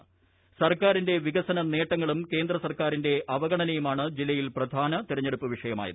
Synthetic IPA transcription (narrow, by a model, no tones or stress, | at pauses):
sɐrkaːɾinde̞ʋiɡɐsɐnɐne̞ːʈːɐŋːɐɭumke̞ːnd̪rɐsɐrkaːɾinde̞ʔɐʋɐɡɐɳɐnɐjumaːɳɨd͡ʑilːɐjilprɐd̪ʱaːnɐt̪iɾɐɲːeɽupːɨʋiʂɐjɐma̰ːjḭð